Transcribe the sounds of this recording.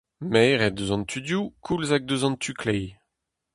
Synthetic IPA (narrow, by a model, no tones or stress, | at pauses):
mɛːʁɛd̪øzɑ̃nt̪ʰyd̪jukʰulzaɡ̚d̪øzɑ̃nt̪ʰykʰlɛj